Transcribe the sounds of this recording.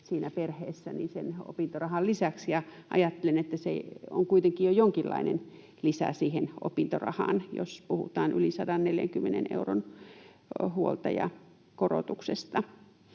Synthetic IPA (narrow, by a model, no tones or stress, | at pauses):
siːnæperhḛːsːænḭseno̰pint̪orɑhɑllisæksjɑʔɑ̰jɑt̪ːelenet̪ːæsḛo̰ŋkuit̪eŋkijojoŋkilːɑ̰inen | lisæ̰siːheno̰pint̪orɑ̰hɑ̰ːnjo̰spuhṵt̪ɑːnʔylisɑdɑnneljæ̰ŋkymːenḛnḛuron | huolt̪ɑjɑ̰ | koro̰t̪uksest̪ɑ